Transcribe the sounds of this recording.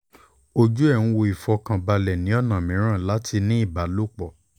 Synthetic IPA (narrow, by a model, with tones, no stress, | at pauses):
o˧d͡ʒu˦ɛ˦˨ũ˧wo˧i˨fɔ˧kã˧ba˧lɛ˨nĩ˨˦ɔ˦˨nã˨mĩ˨˦ɾ̃ã˦˨la˨˦tʰi˧nĩ˦i˦˨ba˨˦lo˦k͡pɔ˦˨